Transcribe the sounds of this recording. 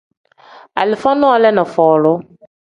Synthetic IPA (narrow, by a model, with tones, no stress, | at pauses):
a̰˨lɪ˨fã˦nɔ̃˦˨˦lɛ˦nɔ̃˨fɔː˨lʊ˦